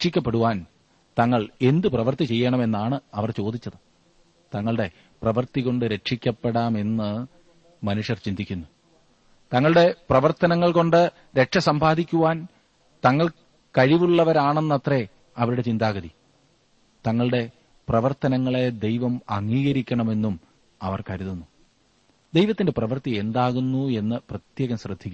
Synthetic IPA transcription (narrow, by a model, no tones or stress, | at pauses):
kʂikʲːɐpːe̞ɽuʋaːn | t̪ɐŋːɐɭe̞nd̪ɨprɐʋɐrt̪it͡ɕe̞jːɐɳɐme̞nːaːɳɨɐʋɐrt͡ɕo̞ːd̪it͡ɕːɐðɨ | t̪ɐŋːɐɭɽe̞ | prɐʋɐrt̪iɣo̞ɳɖɨɾe̞kʂikʲːɐpːeɽaːme̞nːɨ | mɐnuʂjɐrt͡ɕind̪ikʲːunːu | t̪ɐŋːɐɭɨɽe̞prɐʋɐrt̪ɐnɐŋːɐɭko̞ɳɖɨ | ɾe̞kʂɐsɐmbʱaːd̪ikʲːuʋaːn | t̪ɐŋːɐɭ | kɐɻiʋuɭːɐʋɐɾaːɳe̞nːɐt̪re̞ | ɐʋiɾuɽe̞t͡ɕind̪aːɣɐði | t̪ɐŋːɐɭɨɽe̞ | prɐʋɐrt̪ɐnɐŋːɐɭe̞d̪e̞jʋɐmɐŋːiːɣɐɾikʲːɐɳɐme̞nːum | ɐʋɐrkɐɾiðunːu | d̪ejʋɐt̪ːinde̞prɐʋɐrt̪ie̞nd̪aːɣunːue̞nːɨprɐt̪jeːɣɐmɕrɨd̪ʱːikʲːuː